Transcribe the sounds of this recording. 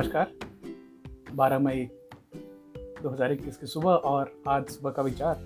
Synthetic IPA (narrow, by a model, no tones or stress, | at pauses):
əʃkaːɾ | baːɾamɐi | d̪oːɦɐzaːɾek̚t̪ːiːskesʊbəɔːɾaːd͡ʒ̪sʊbəkaʋɪt͡ʃaːɾ